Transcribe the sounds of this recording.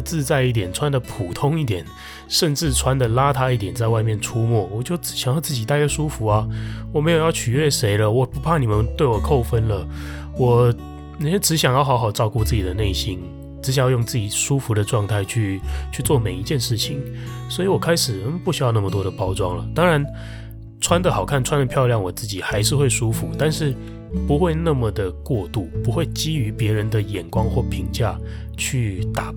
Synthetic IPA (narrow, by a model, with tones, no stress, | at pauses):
t͡sɹ̩˥˧t͡sa˥˧ɪi˥˩t̪jɛ˨˩nʈ͡ʂʰwa˥nd̪ə˨pʰu˨˩t̪ʰʊ˥ŋi˥˩t̪̬jɛ˨˩n | ʂə˥˧nʈ͡ʂɻ̩˥˩ʈ͡ʂʰwa˥nd̪ə˨la˥t̪ʰa˥i˥˩t̪̬jɛ˨˩nt͡sa˥˧ɪwa˥˧ɪmjɛ˥˨nʈ͡ʂʰu˦mwɔ˥˩wɔ˨˩t͡ɕjo˥˩ʊʈ͡ʂ̩˧˥ɕjŋjɑ˥˧ʊt͡sɹ̩˥˩t͡ɕi˨˩t̪a˥˧kɛ˥˧ʂu˥fu˧˥ɐ˨wɔ˨˩me˧˥ɪjo˨˩ʊjɑ˥˩ʊt͡ɕʰy˨˩ɥɛ˥˩ʂe˧˥ɪlə˧wɔ˨˩pu˧˥pʰa˥˩ni˨˩mə˨˦nt̪we˥˩ɪwɔ˨˩kʰo˥˩ʊfə˦˥nlə˨ | wɔ˨˩ | ni˨˩ɛ˥ʈ͡ʂɻ̩˧˥ɕjɑ˨ŋjɑ˥˩xɑ˧˥ʊxɑ˨˩ʊʈ͡ʂɑ˥˧ʊku˥˧t͡sɹ̩˥˩t͡ɕi˨˩d̪ə˦ne˥˩ɪɕi˦n | ʈ͡ʂɻ̩˧˥ɕ̬jjjo˥˧ŋt͡sɹ̩˥˩t͡ɕi˨˩ʂu˥fu˧˥˦d̪ə˨ʈ͡ʂwɑ˥˧ŋt̪ʰa˥˧ɪt͡ɕʰy˥˧t͡ɕʰy˥˧t͡swɔ˥˩me˨˩ɪi˧˥t͡ɕjɛ˥˧nʂɻ̩˥˩t͡ɕʰi˨˩ŋ | swɔ˧˥i˧˥wɔ˨˩kʰa˥ɪʂɻ̩˨˩pu˥˩ɕy˥jna˥˩mə˨t̪wɔ˥d̪ə˨˩pɑ˥ʊʈ͡ʂwɑ˥ŋlə˨t̪ɑ˥ŋɻa˧˦n | ʈ͡ʂʰwa˥nd̪ə˨xɑ˨˩ʊkʰa˥˩nʈ͡ʂʰwa˦˥nd̪ə˨pʰjɑ˥˧ʊljɑ˥˩ŋwɔ˨˩t͡sɹ̩˥˩t͡ɕi˨˩xa˧˥ɪʂɻ̩˥˧xwe˥˩ɪʂu˦˥fu˧˦t̪a˥˧nʂɻ̩˥˩ | pu˧˥xwe˥˧ɪna˥˩mə˨˩d̪ə˩kwɔ˥˧t̪u˥˩pu˧˦˥xwe˥˩ɪt͡ɕi˥y˧˥pjɛ˧˥ɻə˧˦nd̪ə˨jɛ˨˩nkwɑ˦ŋxwɔ˥˩pʰi˧˥ŋt͡ɕja̰˥˧ | t͡ɕʰy˥˩t̪a˨˩